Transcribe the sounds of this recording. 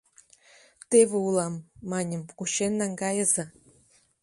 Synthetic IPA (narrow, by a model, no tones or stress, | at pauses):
t̪eβʲɘ̆ulˠɑmːɑnʲɤ̆mkuɕenːɑŋɡɑjɤ̆zɤ̆